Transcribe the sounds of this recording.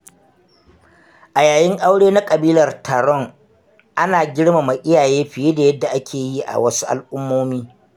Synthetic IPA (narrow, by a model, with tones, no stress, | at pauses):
ʔa˨jaː˨jɪ˦ŋʔa˦wɽeː˦na˦kʼɐ˨biː˦lɐ˨rtaː˨ɾɔ˦˨ŋ | ʔa˦naː˨ɡʲɪ˦ɽma˨ma˨ʔɪ˦jaː˨jeː˦ɸɪ˨je˦da˨jɐ˦dːa˨ʔa˦kʲʰeː˨ji˦ʔa̰˨wɐ˦su̥˦ʔa̰˨lʔʊ˦mːoː˦miː˦